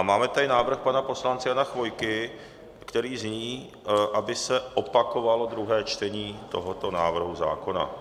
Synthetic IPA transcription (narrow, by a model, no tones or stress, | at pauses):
maːmɛt̪aɾɪnaːvr̩xpanapo̞slant͡sɪjanaxvo̞jkɪ | kt̪ɛɾiːzɲiː | ʔabɪsɛʔo̞pako̞valo̞d̪ɾuɦɛːt͡ʃt̪ɛɲiːt̪o̞ɦot̪o̞naːvr̩ɦuza̰ːko̞na̰